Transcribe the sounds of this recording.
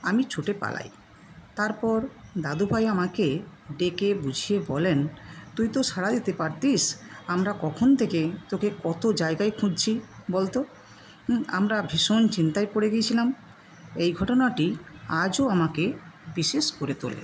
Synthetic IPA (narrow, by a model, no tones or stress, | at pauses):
amit͡ɕʰuʈepa̰la̰j | t̪aɾpɔɾd̪ad̪ubʱajamakeɖekebud͡ʑʱijebɔlent̪ujt̪oʃaɽad̪it̪epaɾt̪isamɾakɔkʰont̪ʰeket̪okekɔt̪od͡ʑaeɡajkʰũd͡ʑt͡ɕʰibolt̪o | amɾabʱiʃont͡ɕint̪aepoɽeɡijet͡ɕʰilam | ejɡʱɔʈonaʈiad͡ʑoamakebiʃeʃkoɾet̪o̰lḛ